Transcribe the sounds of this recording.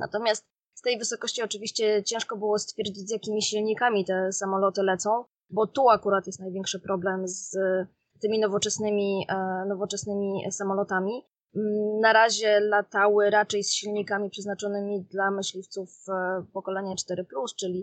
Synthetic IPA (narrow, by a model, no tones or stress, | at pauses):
na̰t̪ɔmʲjast̪ | st̪ɛjvɘsɔkɔɕt͡ɕiɔt͡ʂɘvʲiɕt͡ɕɛt͡ɕɛ̃ʂkɔbɘwɔst̪fʲjɛɾd͡ʑid͡ʑʲzjakʲimʲiɕilɲikamʲit̪ɛsamɔlɔt̪ɘlɛt̪sɔ̃w̃ | bɔt̪uakuɾat̪jɛst̪najvʲjɛŋkʂɘpɾɔblɛmz | t̪ɘmʲinɔvɔt͡ʂɛsnɘmʲinɔvɔt͡ʂɛsnɘmʲisamɔlɔt̪amʲi | naɾaʑɛlat̪awɘɾat͡ʂɛjsɕilɲikamʲipʂɛznat͡ʂɔnɘmʲid̪lamɘɕlʲift̪sufpɔkɔlɛɲat͡ʂt̪ɛɾɘplust͡ʂɘlʲi